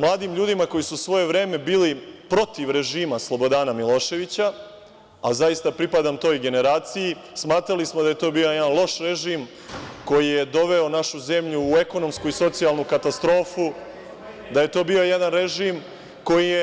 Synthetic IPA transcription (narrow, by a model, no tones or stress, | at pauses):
mlˠaːd̪imʎuːd̪imako̞jisusʋo̞je̞ʋɾeːme̞biːlipɾo̞t̪iʋɾe̞ʒiːmaslˠo̞bo̞d̪aːnamilˠo̞ːʃe̞ʋit͡ɕa | azajist̪apɾipad̪amt̪o̞ːjiɡe̞ne̞ɾaːt̪siji | smaːt̪ɾalismod̪aje̞t̪o̞bio̞jed̪anlˠo̞ʃɾeʒiːm | ko̞jije̞d̪o̞ʋe̞o̞naʃuze̞mʎuːe̞ko̞no̞mskuiso̞t̪sialˠnukat̪ast̪ɾo̞ːfu | d̪aje̞t̪o̞ːbio̞jed̪anɾeʒiːm | ko̞jije